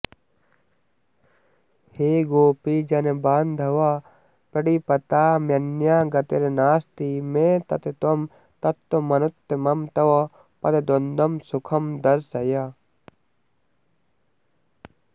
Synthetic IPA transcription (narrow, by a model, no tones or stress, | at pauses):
heːɡoːpiːd͡ʒɐnebaːnd̪ʱɐʋa | pɐɽipɐt̪aːmjɐnjaːɡɐt̪eɾenaːst̪imeːt̪ɐt̪et̪om | t̪ɐt̪ːomɐnut̪ːemɐmt̪ɐʋɐ | pɐd̪ed̪ond̪ɐmsukʰɐmd̪ɐɾsɐja